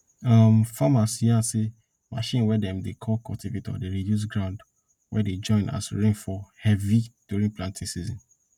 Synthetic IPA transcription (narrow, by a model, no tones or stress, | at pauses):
amfamasjãse | ma̰ʃĩnwɛdɛ̃mdekʰɔlkʰɔ̰tʰivetʰɔ̰deɾidjus̬ɡɾɹãʊ̃nd | wɛded͡ʒɔ̃ɪ̃na̰sɹĩŋfɔhɛvid̥uɾĩŋplãntʰĩsizɔ̃n